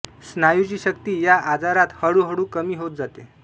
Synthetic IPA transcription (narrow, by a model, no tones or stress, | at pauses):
snajut͡ɕiːɕək̚t̪iːjaʔad͡zaɾat̪həɽuːɦəɽuːkəmiːɦot̪̚d͡zat̪e